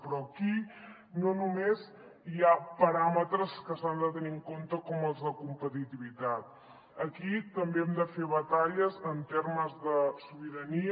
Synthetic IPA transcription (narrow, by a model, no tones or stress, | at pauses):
pɾɔki | nonumez | iapəɾamət̪ɾəskəsand̪ət̪əniŋkont̪əkɔməlˠzðəkumpət̪it̪iβit̪at̪̚ | əkit̪əmbeɛmd̪əfeβət̪aʎəzənt̪erməzðəsuβiɾəni